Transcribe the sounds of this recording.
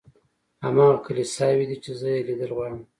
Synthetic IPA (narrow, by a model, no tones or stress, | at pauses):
ha̰mɑɣakəlesɑwid̪it͡ʃezəjelid̪əlɣwɑɽəm